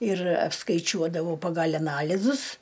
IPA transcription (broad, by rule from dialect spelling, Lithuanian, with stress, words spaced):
ɪr ɐpskɐɪˈt͡ʃʲuɔdɐʋɐʊ pɐɡɐlʲ ɐˈnɑːlʲɪzʊs